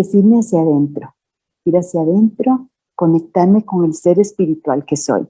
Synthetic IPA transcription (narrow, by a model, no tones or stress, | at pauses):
esiɾmeasjaðe̞nt̪ɾo | iɾasjaðe̞nt̪ɾo̞ | ko̞ne̞k̚t̪aɾmeko̞ŋe̞lse̞ɾespiɾit̪wa̰lke̞so̰j